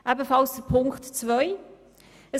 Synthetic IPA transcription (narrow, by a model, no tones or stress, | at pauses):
ʔɛbəfɑlsd̥əpʰʊŋktt͡svœʏ | ə